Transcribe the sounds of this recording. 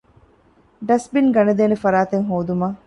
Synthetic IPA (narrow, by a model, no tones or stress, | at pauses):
ɖɐsbinɡɐned̪eːnefɐɾaːt̪eŋɦoːd̪umaː